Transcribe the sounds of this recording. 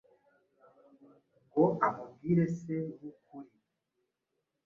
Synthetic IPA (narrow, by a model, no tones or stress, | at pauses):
ŋɡoamub̚ɡiːɾeseβukuɾi